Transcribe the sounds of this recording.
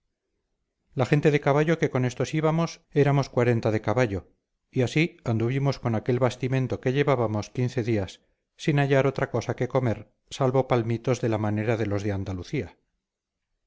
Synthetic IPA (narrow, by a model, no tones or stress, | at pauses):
laxe̞nt̪e̞ðe̞kaβaʎo̞ke̞ko̞ne̞st̪osiβamo̞se̞ɾamo̞skwaɾe̞nt̪aðe̞kaβaʎo̞ | iasiand̪uβ̞imo̞sko̞nake̞lβast̪imẽ̞nt̪o̞ke̞ʎe̞βaβamo̞skin̟θe̞ðiasː | inaʎaɾo̞t̪ɾako̞sake̞ko̞me̞ɾ | salβo̞palmit̪o̞zðe̞lamane̞ɾaðe̞lo̞zðeand̪aluθia